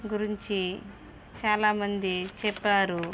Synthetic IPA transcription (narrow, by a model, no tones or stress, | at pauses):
ɡuɾiɲt͡ʃi | t͡ʃaːlaːmɐnd̪it͡ʃɛpːaːɾu